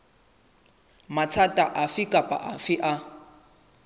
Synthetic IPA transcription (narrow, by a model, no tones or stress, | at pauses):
mat͡sʰatʼaʔafɪkʼapʼa̰ʔafɪʔa